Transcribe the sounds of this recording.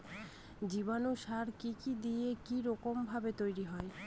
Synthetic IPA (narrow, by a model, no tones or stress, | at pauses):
d͡ʑibanuʃaɾkikid̪iekiɾɔkombʱabet̪ojɾiɦɔe